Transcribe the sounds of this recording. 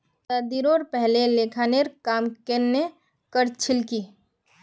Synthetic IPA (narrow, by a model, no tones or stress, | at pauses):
t̪ad̪iɾoːɾpɛɦlelekʰaneɾkaːmkenːe | kəɾt͡ʃʰɪlkiː